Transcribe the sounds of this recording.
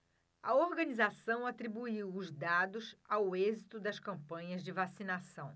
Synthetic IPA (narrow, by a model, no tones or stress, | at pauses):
ɐoɾɡɐ̃nizasɐ̃w̃at̪ɾibuiwʊzd̪ad̪ʊsawezit̪ʊd̪ɐskɐ̃pɐ̃ɲɐzd͡ʒɪvasinasɐ̃w̃